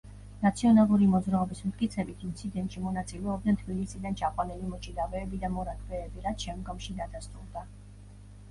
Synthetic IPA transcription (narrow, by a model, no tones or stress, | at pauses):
nat̪sʰiɔnalˠuɾimɔd̪zɾaɔbismt̪̚ʼkʼit̪sʰɛbit̪ʰint̪sʰid̪ɛnt̪ʼʃimɔnat̪sʼilɛɔb̚d̪nɛnt̪ʰbilisid̪ant͡ʃʰaqʼwanɛlimɔt͡ʃʼid̪avɛːbid̪amɔɾakʰvɛːbiɾat̪ʃɛmɡɔmʃid̪ad̪ast̪ʼulˠd̪a